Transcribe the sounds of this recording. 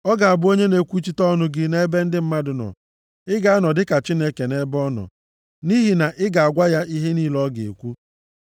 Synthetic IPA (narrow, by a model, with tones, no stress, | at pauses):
ɔ˦ɡa˨a˨bʊ˦o˦ɲe˦ne˨˦kʷu˦t͡ʃi˦tɔ˦nʊ˨ɡɪ˨ne˦e˦be˦n̩˦dɪ˦m̩˦ma˦dʊ˨nɔ̰˨ | ɪ˦ɡa˨a˦nɔ˨dɪ˦ka˨t͡ʃi˦ne˦ke˨ne˦bɔ˦nɔ̰˨ | ni˦ɦi˨na˨ʔɪ˦ɡa˨a˨ɡʷa˦ja˦ʔi˦ɦe˦ni˦lɔ˦ɡḛ˨kʷu˦